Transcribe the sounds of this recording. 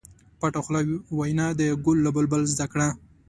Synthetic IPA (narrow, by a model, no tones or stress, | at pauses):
paʈoxlawwajnɑd̪əɡʊlːabəlbəlzd̪akɽa